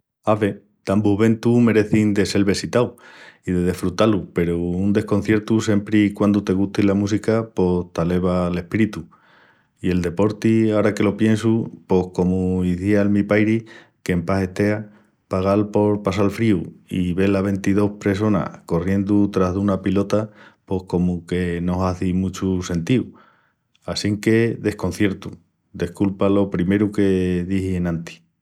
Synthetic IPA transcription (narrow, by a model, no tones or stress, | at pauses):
aβe̞ | d̪̥ambuβẽ̞nt̪ume̞ɾe̞θind̪e̞se̞lβe̞sit̪awiðe̞ð̞e̞fɾut̪alupe̞ɾuund̪e̞hko̞n̟θje̞ɾt̪use̞mpɾikwand̪ut̪e̞ɣ̞uht̪ilamũs̬ikapo̞st̪ale̞β̞ale̞hpiɾit̪u | ie̞ld̪e̞po̞ɾt̪iaoɾake̞lo̞pje̞nsupo̞hko̞muiθialmipajɾi | ke̞mpase̞ht̪e̞a | paɣ̞alpo̞ɾpas̬alfɾiuiβe̞laβe̞nt̪iðo̞hpɾe̞s̬o̞na̰ko̞rje̞nd̪ut̪ɾaɦðunapilo̞t̪apo̞hko̞muke̞no̞ɦaθimũt͡ʃuse̞nt̪iu | asiŋke̞ðe̞hko̞n̟θje̞ɾt̪u | d̪e̞hkulpalo̞pɾime̞ɾuke̞ðihienãnt̪i̥